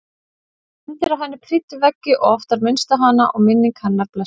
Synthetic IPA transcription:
ɪnt̪ɪɾaðɦanːɪpʰrɪːt̪ʏvɛcːɪʔɔɣɔft̪aɾmɪnst̪aɦanaʔɔɣmɪnːɪŋkhanːaɾplɛs

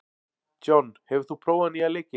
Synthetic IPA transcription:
d͡ʒɔnhevθupʰɾɔwanialek

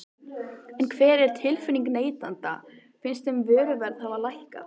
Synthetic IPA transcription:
ɛnkʰvɛːɾɛɾ̥t̪ʰɪlfʏniŋkneːjt̪ant̪a̰ | fɪnst̪ɛmvœːɾʏvɛɾð̥havalajhka̰

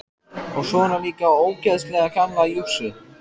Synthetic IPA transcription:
ɔɣsɔnaliːkaoːwcɛst̪lɛɣakʰanːajʏksɪ

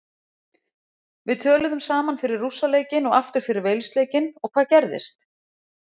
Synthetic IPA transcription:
vɪðt̪ʰœːlʏðʏmsaːmanfɪɾɪrːusːaleːjcɪnɔɣaft̪ʏɾ̥fɪɾɪɾveːjlst̪leːjcɪnɔɣkʰvaːðcɛɾðɪ̰st̪

